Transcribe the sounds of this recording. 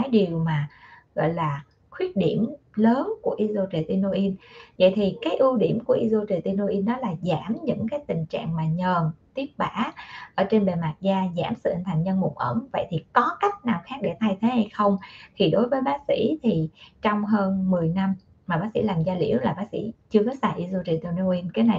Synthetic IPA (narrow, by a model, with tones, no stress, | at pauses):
aː˨˦jɗi˨˩əwmaː˨˩ɣɔ̰˧˨jlaː˨˩ | xwi˦˥ət̚ɗi˧˩əmləː˨˦nku˧˩əʔi˧zo˧t͡ɕe˨˩t̪i˧no˧ʔi˧n̚və̰˧˨jt̪ʰi˨˩kaː˨˦jʔɨ˧wɗi˧˩əmku˧˩əʔi˧zo˧t͡ɕe˨˩t̪i˧no˧ʔi˧nːɔ˨˦laː˨˩zaː˧˩mɲɨ̰˧˥ŋkaː˨˦jt̪ï˨˩ŋ̟t͡ɕa̰ː˧˨ŋmaː˨˩ɲəː˨˩nt̪i˦˥ət̚ɓaː˧˥ʔəː˧˩t͡ɕe˧nɓe˨˩jmaː˨˩t̚zaː˧za̰ː˧˩msɨ̰˧˨ʔnt̪ʰa˨˩ŋɲə˧nmʊ̰˨˧˩k͡p̚ʔə˧˩ŋvə̰˧˨jt̪ʰi˨˩kɔ˨˦ka˦˥jk̟̚naː˨˩wxaː˦˥k̚ɗḛ˧˩t̪ʰa˧jt̪ʰe˨˦ha˧jxə˧wŋ͡mt̪ʰi˨˩ɗo˨˦jvəː˨˦jɓaː˨˦k̚sḭ˧˥t̪ʰi˨˩t͡ɕɔ˧wŋ͡mɦəː˧nmɨ˨˩əjna˧m | maː˨˩ɓaː˨˦˥ksḭ˧˥laː˨˩mzaː˧lḭ˧˩əwlaː˨˩ɓaː˨˦k̚sḭ˧˥t͡ɕɨ˧əkɔ˨˦saː˧˩jʔi˧zo˧t͡ɕe˨˩t̪i˧no˧ʔi˧nkaː˨˦jna˨˩j